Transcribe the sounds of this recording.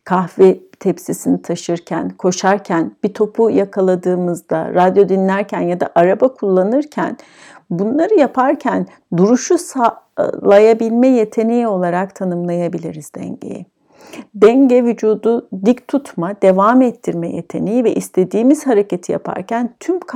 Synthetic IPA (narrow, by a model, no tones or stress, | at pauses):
kʰaxvɛt̪ʰɛpsisinit̪ʰaʃɯɾcʰæ̰nkʰo̞ʃaɾcʰænb̥it̪ʰo̞pʰujakʰalˠad̪ɯːmɯzd̪a̰ɾad̪jo̞d̪inlʲæɾcʰænjad̪a̰ʔaɾabakʰulˠːanɯɾcʰæ̰n | bunlˠaɾɯjapʰaɾcʰæn | d̪uɾuʃusalˠajabilʲmɛje̞t̪ʰe̞nijo̞lˠaɾakt̪ʰanɯmlˠajabilʲiɾizd̪ɛ̰ɲɟḛjɛ̰ | d̪ɛɲɟɛvyd͡ʒuːd̪ud̪ict̪ʰut̪ʰmad̪̥e̞vaːmɛt̪ʰːiɾmɛjḛt̪ʰe̞nijivɛʔist̪ʰe̞d̪iːmiz̥haɾe̞cet̪ʰija̰pʰa̰ɾcʰænt̪ʰymkʰ